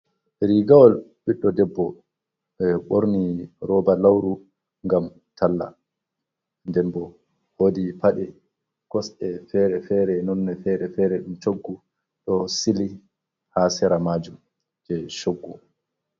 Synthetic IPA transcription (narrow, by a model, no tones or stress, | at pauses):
ɾiːɡawɔlɓiɗːɔdɛbːɔ | ɓɛɓoɾniɾɔːbalawɾu | ŋɡam | tʰalːa̰ | ndɛmbɔ | hoːdipaɗɛ | kɔsɗɛfɛːɾɛfɛːɾɛnɔɾnɛfɛɾɛfɛɾɛɗumt͡ʃoɡːu | ɗɔsili | hasɛɾamaːd͡ʒum | d͡ʒɛʃoɡːu